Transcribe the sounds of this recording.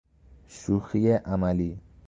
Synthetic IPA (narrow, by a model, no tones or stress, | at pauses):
ʃuxijeʔamali